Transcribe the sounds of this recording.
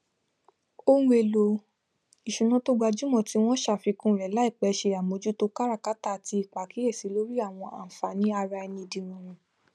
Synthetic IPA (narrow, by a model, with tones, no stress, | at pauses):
õ˦e˧˨lo˧ | i˨ʃũ˨nã˨˦to˦ɡ͡ba˧d͡ʒu˦mɔ̃˦˨ti˦w̃ɔ̃˦ʃa˦˨fi˧kũ˦˨ɾɛ˨la˨˦i˦˨k͡pɛ˧˦ʃe˧a˨mo˨˧˦d͡ʒu˦to˧ka˦ɾa˦˨ka˦ta˦˨ti˧i˦˨k͡pa˨ki˨˦e˦˨si˨˦lo˦ɾi˦a˦˨w̃ɔ̃˧a̰˨fa˨˦nĩ˨˦a˧ɾa˧ɛ˧nĩ˧dĩ˧nũ˨˧ɾ̃ũ˧